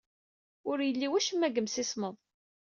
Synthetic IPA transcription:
ʊɾjəlːiwæʃəmːæɡəmsisməðˤ

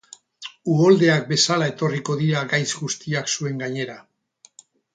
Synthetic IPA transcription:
uo̞ld̪e̞ak̚be̞salae̞t̪o̞riko̞ðiɾaɡajzɡust̪iaksue̞ŋɡaɲe̞ɾa

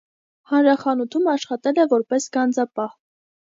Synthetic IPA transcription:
hɑnɾɑχɑnut̪ʰumɑʃχɑt̪ɛlɛvɔɾpɛsɡɑnd͡zɑpɑh

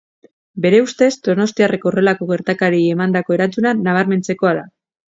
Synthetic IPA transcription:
be̞ɾe̞ust̪e̞zd̪o̞no̞st̪iare̞kore̞lako̞ɣe̞ɾt̪akaɾiiemand̪ako̞e̞ɾant͡sunanaβ̞aɾme̞nt͡se̞ko̞aða

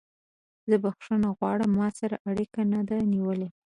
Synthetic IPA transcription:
zəbaxʂunaɣwɑɽəmːɑsaɾaʔaɽikanad̪aniwəle

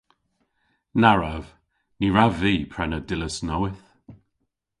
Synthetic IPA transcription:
naɹav | niɹaviːpʰɹɛnədɪləsnɔwɪθ

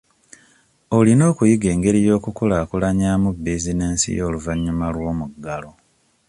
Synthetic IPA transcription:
olino̞ːkujiɡe̞ːŋɡe̞ɾijo̞ːkukulaːkulaɲaːmubːezine̞ːnsḭjo̞ːluvaɲːumalwo̞ːmuɡːalo̞

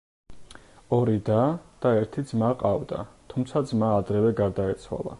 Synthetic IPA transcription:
ɔɾid̪ad̪̥aɛɾt̪ʰid̪zmaqʼavd̪at̪ʰumt̪sʰad̪zmaːd̪ɾɛvɛɡaɾd̪aɛt̪sʰwa̰lˠa̰

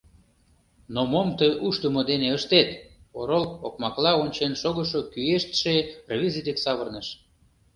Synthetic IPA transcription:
nomomt̪əjʔuʃt̪əmod̪eneəʃt̪et̪oɾolokmɑklɑonʲt͡ɕenʃoɣə̆ʃokyeʃt̪ʃervʲizid̪eksɑβərnəʃ

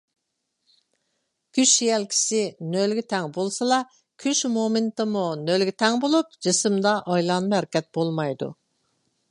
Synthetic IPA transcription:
kʲʰyʃjɛlkʲʰi̥sɪnølɡʲɪt̪ʰɛŋbolˠsɨlˠɑ | kʲʰyʃmomɪnt̪ɨmunølɡʲɪt̪ʰɛŋbolˠup̚d͡ʒɨsɨmd̪ɑʔɑjlˠɑnhæɾɪkʲɛt̪̚bolˠmɑjd̪ṵ

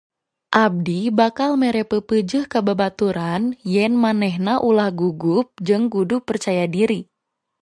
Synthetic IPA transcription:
ʔab̚dibakalmɛɾɛpəpəd͡ʒɨhkabəbat̪uɾanjɛnmanɛɦnaʔulahɡuɡup̚d͡ʒɨŋɡudupərt͡ʃajadiɾi

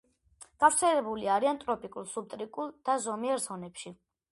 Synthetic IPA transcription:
ɡ̥avɾt̪sʰɛlɛbuliaɾiant̪ʼɾɔpʼikʼulˠsub̚t̪ʼɾikʼulˠd̪̥azɔmiɛɾzɔnɛpʃi

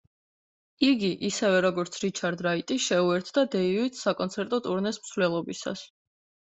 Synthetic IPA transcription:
iɡiʔisɛvɛɾɔɡɔɾt̪sʰɾit͡ʃʰaɾd̪ɾait̪ʼiʃɛuɛɾt̪ʰd̪ad̪ɛivit̪ʰsakʼɔnt̪sʰɛɾt̪ʼɔt̪ʼuɾnɛsmsvlɛlˠɔbisa̰s

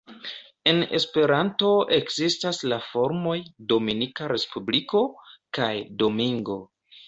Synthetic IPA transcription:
e̞ne̞̰spe̞ɾanto̞ʔe̞kzistaslafo̞ɾmo̞jdo̞minikaɾe̞spubliko̞kajdo̞miŋɡo̞

